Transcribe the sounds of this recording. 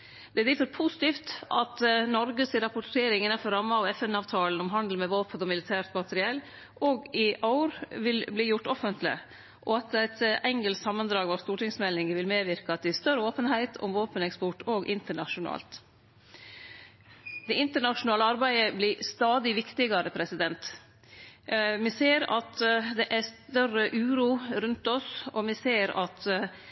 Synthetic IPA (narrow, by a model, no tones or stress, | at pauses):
d̪̥ɛæd̪ɪfɔɾpʰusɪ̥t̪iːft̪ʔɑt̪nɔɾɡəsɪɾɑpʊʈʰeːɾɪŋɪnɑfɔɾɑmːɑɔɛfɛnɑːʋt̪ʰɑːlən̩ɔmɦɑnd̪l̩mɛʋoːpənɔmɪlɪt̪ʰæːɾt̪mɑt̪ʰəɾɪɛlː | ʔoːɡɪʔɑʊɾʋɪlbliːjʊʈːɔfənt̪ʰlɪ̰ | ʔɔɑt̪æɪt̪ɛŋɡəlsɑmːənd̪ɾɑːɡʋɔɾst̪uːʈɪŋsmɛlnɪŋəʋɪlmeːʋɪɾkəɑt̪̚d̪ɛst̪œɾəoːpənhæɪt̪ʰʊ̰mʋoːpənɛkspɔʈoːɡʔɪnt̪əɳɑʂʊnɑ̰ːlt̪ | d̪ɛɪnt̪əɳɑʂʊnɑːləɑɾbæɪəblɪst̪ɑːd̪ɪʋɪkt̪ɪɡɑɾəpʰɾɛsɪd̪ɛnt̪ | mɪseːɾɑ̰t̪d̪ɛʔæst̪œrəʔʉːɾuːɾʉnt̪ɔsɔmɪseːɾɑt̪